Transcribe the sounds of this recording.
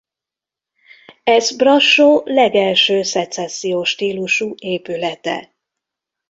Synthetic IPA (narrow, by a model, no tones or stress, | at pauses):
ɛzbrɒʃːoːlɛɡɛlʃøːsɛt̪sɛsːijoːʃt̪iːluʃueːpylɛt̪ɛ̰